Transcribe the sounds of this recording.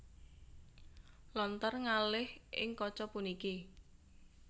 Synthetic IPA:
lɔnt̪ərŋalɪhʔɪ̰ŋkɔt͡ʃɔpuniki

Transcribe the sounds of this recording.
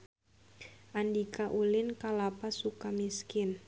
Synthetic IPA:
ʔandikaʔulɪnkalapasukamiskɪn

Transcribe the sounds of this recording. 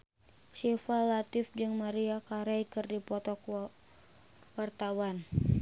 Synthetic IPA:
sifalat̪ɪfd͡ʒɨŋmaɾiakaɾajkɨrdipɔt̪ɔk | wart̪awan

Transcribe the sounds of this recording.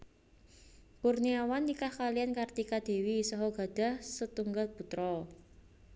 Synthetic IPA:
kurniawanːikahkalijankart̪ikad̪̥e̤wisɔɦɔɡ̥a̤d̪̥a̤hsət̪uŋɡalpṳt̪ɾɔ

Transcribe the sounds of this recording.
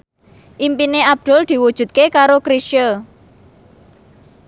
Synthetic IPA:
ʔimpineab̚d̪̥ʊ̤ld̪̥i̤wud̥ʒ̥ṳt̪̚kekaɾokɾisʃə

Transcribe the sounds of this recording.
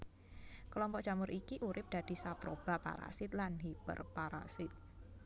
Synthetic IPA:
kəlɔmpɔʔ̚ʒ̥amʊɾʔikiʔuɾɪp̚d̥ad̥i̤sapɾob̥a̤pa̰ɾa̰sɪt̪̚lanɦib̥ə̰rpaɾa̰sɪt̪̚

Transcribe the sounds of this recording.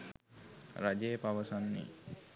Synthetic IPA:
ɾad͡ʒejpaʋəsanːḭ

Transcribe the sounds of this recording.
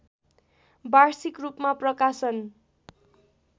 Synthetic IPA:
barsikrupmaprʌkasʌn

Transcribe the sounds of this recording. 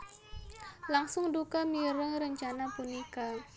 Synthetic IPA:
laŋsʊŋdukamiɾəŋɾəɲt͡ʃanapunika

